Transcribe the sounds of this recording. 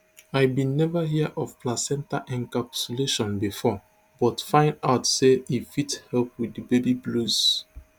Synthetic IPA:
aɪbĩnːɛvəɦiəʔɔvplasɛ̃ntaʔɛ̃nkapsuleʃɔ̃nbifɔ | bɔtfãɪ̃ndaʊtseifithɛlp̚widibebiblus

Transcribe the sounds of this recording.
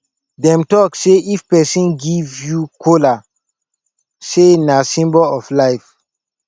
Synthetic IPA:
dɛ̃mtɔkseʔifpɛsĩnɡivjukʰola | senasĩmbɔlɔflaɪf

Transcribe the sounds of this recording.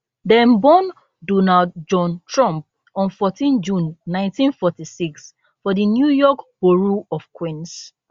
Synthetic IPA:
dɛ̃nbɔ̃n | dɔnaldd͡ʒɔ̃ntɹɔ̃mp̚ | ɔ̃nfɔtĩnd͡ʒũnːãɪ̃ntĩnfɔtisiks | fɔdinjujɔkb̥oɹuɔfkwĩns

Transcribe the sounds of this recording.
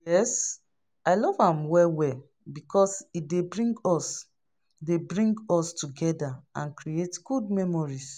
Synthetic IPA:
jɛs | aɪlɔvãmwɛlwɛl | bikʰɔsidebɹĩŋɡɔs | debɹĩŋɡɔstuɡɛdaãnkɾietɡ̥ud̚mɛmɔɹis

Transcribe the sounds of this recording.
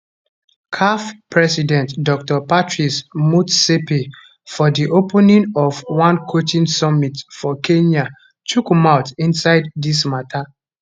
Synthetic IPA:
kʰafpɹɛsidɛ̃ntdɔk̚tɔpatɹismutsepi | fɔdiʔopɛnĩŋɔvwãnkʰotĩnsɔmitfɔkʰẽɲa | tʰukmaʊtĩnsaɪdːismatʰa

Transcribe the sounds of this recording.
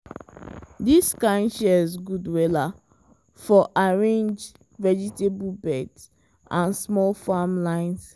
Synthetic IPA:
diskãɪ̃nʃɛizɡudwɛla | fɔʔaɹẽnd͡ʒ | vɛd͡ʒitebulbɛds | ʔãnsmɔlfamlãɪ̃ns

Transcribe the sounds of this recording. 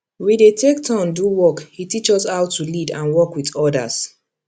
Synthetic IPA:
widetʰek̚tʰãnduwɔkhitit͡ʃɔsaʊtʰulidãnwɔkwiðɔda̰s

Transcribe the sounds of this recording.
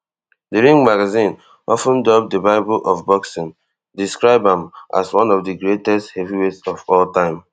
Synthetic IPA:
dəɹĩŋɡmaɡazĩn | ʔɔfə̃ndɔb̚dəbaɪbəlʔɔfbɔksə̃n | diskɹaɪbãmʔa̰swʌ̃nɔvdəɡɹetɛsthɛviwetsɔfɔltãɪ̃m

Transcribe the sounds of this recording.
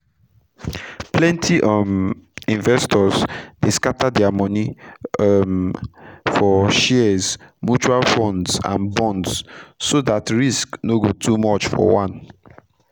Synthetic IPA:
plɛ̃ntʰiʔɔmĩnvɛstʰɔzdeskatadɛamɔni | m | fɔʃɛzmjut͡ʃualfɔ̃ndsã̰nbɔ̃ndsːoðatɹisknoɡotʰumɔt͡ʃfɔ̰wãn

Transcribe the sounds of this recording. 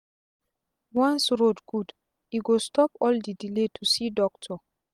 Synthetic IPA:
wãnsɹodɡ̥ud | iɡostʰɔpɔldidiletʰusidɔk̚tʰɔ

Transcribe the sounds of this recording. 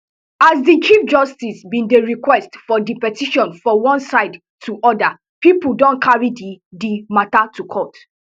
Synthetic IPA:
azdit͡ʃifd͡ʒɔstisbĩndeɹikwɛstfɔdipɛtiʃɔ̃nfɹɔ̃wɔ̃nsaɪd | tʰuʔɔda | pipul̩dɔ̃nkʰaɹididimatatukʰɔt

